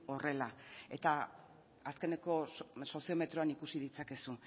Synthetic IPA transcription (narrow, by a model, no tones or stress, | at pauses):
o̞re̞lae̞t̪a | aske̞ne̞ko̞so̞sio̞me̞t̪ɾo̞anikusiðit͡sake̞su